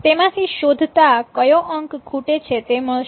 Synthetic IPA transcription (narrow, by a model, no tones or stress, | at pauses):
t̪emãt̪ʰiʃod̪ʱt̪akəjõʔəŋkɡʰʱuʈet͡ʃʰet̪emə